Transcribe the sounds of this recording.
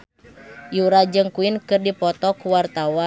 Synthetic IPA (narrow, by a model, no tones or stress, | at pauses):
juɾad͡ʒɨŋkuinkɨrdipɔt̪ɔkuwart̪awa